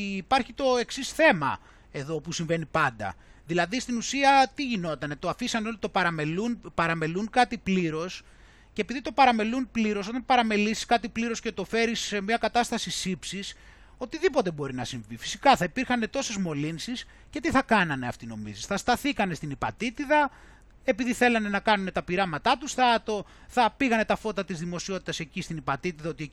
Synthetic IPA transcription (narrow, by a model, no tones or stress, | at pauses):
pɐɾçit̪o̞e̞ksisθe̞mɐ̰ | e̞ðo̞pusiɱve̞nipɐnd̪ɐ̰ | ðilɐðist̪inusiɐt̪iʝino̞t̪ɐne̞t̪oɐfisɐneo̞lit̪o̞pɐɾɐme̞lunpɐɾɐme̞lunkɐt̪ipliɾo̞s | ceepiðit̪o̞pɐɾɐme̞lunpliɾo̞so̞t̪ɐnpɐɾɐme̞lisi̥skɐt̪ipliɾo̞sce̞t̪o̞fe̞ɾisemɲɐkɐt̪ɐst̪ɐsisipsis | o̞t̪iðipo̞t̪e̞bo̞ɾinɐsiɱvifi̥si̥kɐθɐipiɾxɐne̞t̪o̞se̞zmo̞linsis | ce̞t̪iθɐkɐnɐne̞ɐ̰ft̪ino̞̰mḭzisθɐst̪ɐθikɐne̞st̪inipɐ̰t̪it̪iðɐ | e̞piðiθe̞lɐne̞nɐkɐnune̞t̪ɐpiɾɐmɐt̪ɐt̪usθɐɐt̪o̞ | θɐpiɣɐne̞t̪ɐfo̞t̪ɐt̪izðimo̞sio̞t̪it̪ɐse̞cist̪inipɐt̪it̪iðɐo̞t̪i